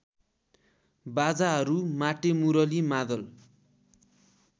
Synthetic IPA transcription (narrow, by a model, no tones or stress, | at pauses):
bad͡zaɦʌɾumaʈemuɾʌlimad̪ʌl